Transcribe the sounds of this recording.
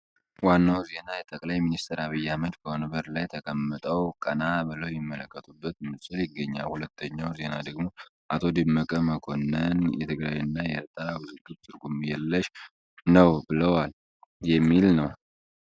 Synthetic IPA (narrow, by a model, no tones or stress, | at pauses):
wanːawze̞najɛt̪ʼəkʼlajminist̪ʰəɾaβɨjːaməd͡ʒ̪bəwonəbəɾlajt̪ʰəkʼəmːɨt̪ʼəwkʼənabɨləwjimːələkːət̪ʼubːət̪mɨsʼɨljɪɡːəɲːa̰lhulət̪ʰːəɲːawze̞nad̪əɡmo̞ʔat̪ʰo̞d̪ɨmːəkʼəməkʰo̞nːənjɛt̪ʰɨɡɾajɨnːajɛ̰ɾt̪ʼawɨzɨɡubt̪ʰʼɨɾɡumjɛlːəʃ | nəwbɨləwal | jɛmːilnəw